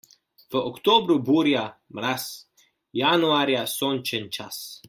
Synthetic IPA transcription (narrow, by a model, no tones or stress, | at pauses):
pəʔokt̪obɾubuɾjamɾas | januaɾjasonʲt͡ʃənʲt͡ʃas